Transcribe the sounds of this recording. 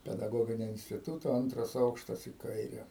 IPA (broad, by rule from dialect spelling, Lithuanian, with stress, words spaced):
pʲɛdɐˈɡoːɡʲɪnʲoː ɪnʲsʲtʲɪˈtuːtoː ˈɐntrɐs ˈɐʊkʃtɐs iː ˈkɐɪrʲɛ